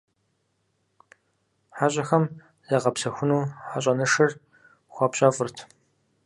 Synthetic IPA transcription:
ħaɕʼɐxɐm | zɐʁɐpsɐxʷʊnuːħaɕʼɐnɨʂɨr | xʷapɕʼɐfɨrtʰ

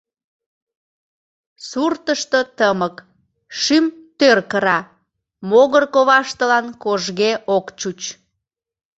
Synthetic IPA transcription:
surt̪əʃt̪ot̪əmək | ʃymt̪ørkəɾɑ | moɣərkoβɑʃt̪əlɑnkoʒɣeʔokt͡ɕut͡ɕ

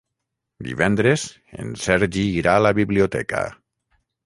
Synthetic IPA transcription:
d̪ḭβɛnd̪ɾez | ḛnsɛɾʒiːɾalaβiβliot̪ɛ̰ka̰

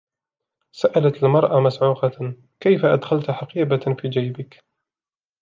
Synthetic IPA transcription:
saʔalat̪almɑɾˤʔamasʕuːqɑ | kajfaʔad̪xalt̪ħaqiːbafiːd͡ʒajbɪk

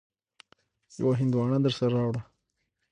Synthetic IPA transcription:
ja̰waɦɪnd̪wɑːɳad̪əɾsaɾɑːwɽa

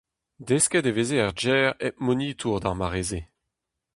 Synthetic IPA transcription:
deskɛdevezeaʁd͡ʒɛːʁɛt̚moniːt̪ʰuʁd̪aʁmaʁeːze

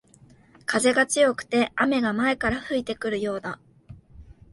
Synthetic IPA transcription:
kʰaze̞ɡat͡sɨjo̞kɯ̟̥t̪e̞ame̞ɡamae̞kaɾaɸɯ̟it̪e̞kɯ̟ɾɯ̟jo̞ːd̪a

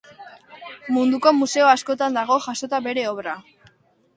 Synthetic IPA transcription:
mund̪uko̞muse̞oasko̞t̪and̪aɣ̞o̞ʝaso̞t̪abe̞ɾe̞oβɾa

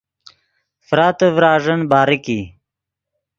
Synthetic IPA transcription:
fɾaːt̪əvɾaːʐənbaːɾiki

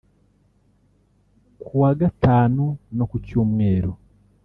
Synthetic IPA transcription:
kʰuwaːɡataːnonokucoːmweːɾo

